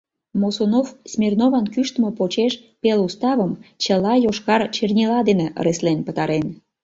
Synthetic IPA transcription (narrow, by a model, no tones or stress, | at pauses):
mosonofsmʲernoβɑnkyʃt̪əməpot͡ɕeʃpelust̪ɑβəmt͡ɕəlɑjoʃkɑrt͡ɕernʲilɑd̪eneʔə̰ɾeslenpət̪ɑɾen